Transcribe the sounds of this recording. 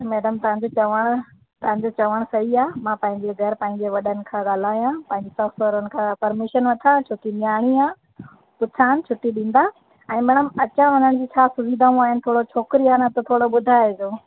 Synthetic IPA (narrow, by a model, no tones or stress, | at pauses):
mɛːɖəmt̪ɐʋ̤ãɲd͡ʑot͡ɕɐʋəɽ̃ʊ | t̪ɐʋãɲ̆d͡ʑot͡ɕɐʋəɽ̃sɐɦiaːmãpɐ̃ɦɪ̃ɲd͡ʑeɡʱɐɾpɐ̃ːɪ̃ɲd͡ʑeʋɐɗənɪ̆kʰãːɠaːl̤aːjãpɐ̃ɦɪ̃ɲd͡ʑesɐʋsəɾʊnɪ̆kʰãpɐɾmɪʃənʋɐt̪ʰat͡ɕʰʊʈiɗijaːɽ̃iaː | pʊt͡ɕʰaːɦnɪ̆t͡ɕʰʊʈiɗĩːn̆d̪a | ɛ̃ːmɛ̃ːɽ̃əmɐt͡ɕãʋɐnəɽ̃d͡ʑiːt͡ɕʰaːsʊʋid̪aːũaːɦɪnɪ̆t̪ʰoːɽot͡ɕʰoːkɪɾiaːnat̪ot̪ʰoːɽobʊd̪ʱaːed͡ʑoː